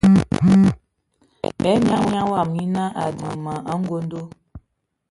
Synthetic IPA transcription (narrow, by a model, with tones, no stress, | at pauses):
ɛ˨˦m˦a˦mja˦wa˦˨m˨ɲi˦na˦ʔa˨di˨ma˨a˦ŋ̩˦ɡo˦n˦do˦